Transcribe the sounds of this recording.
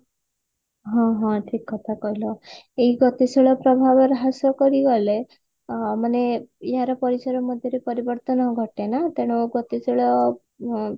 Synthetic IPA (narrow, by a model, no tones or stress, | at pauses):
ɦɔ̃ɦɔ̃ʈʰikːɔt̪ʰakɔɦilɔeɦiɡɔt̪isiɭɔpɾɔbʱabɔɾɦasɔkɔɾiɡɔle | maneeɦaɾɔpɔɾisaɾɔmɔd̪ʱjɔɾepɔɾibɔɾt̪ɔnɔɡʱɔʈenat̪eɽ̃uɡɔt̪isʰiɭɔ